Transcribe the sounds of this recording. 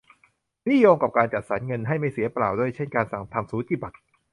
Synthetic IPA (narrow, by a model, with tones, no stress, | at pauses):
ni˥˩joː˧ŋka˨˩p̚kaː˧nt͡ɕa˨˩t̪̚sa˩˥nŋɤ˧nɦa˥˩jma˥˩jsi˩˦ɐplaː˨˩wdu˥˩əjt͡ɕʰe˥˩nkaː˧nsa˨˩ŋt̪ʰa˧msuː˨˦t͡ɕ̪iː˧˩ba˨˩t̪̚